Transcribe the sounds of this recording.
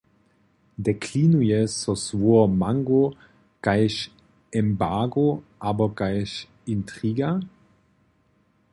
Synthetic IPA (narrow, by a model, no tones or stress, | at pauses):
dekʰlinujesosvuɐmaŋɡo | kajʃ | ɛmbaɡoʔaːbɐkajʃ | intʁiːɡa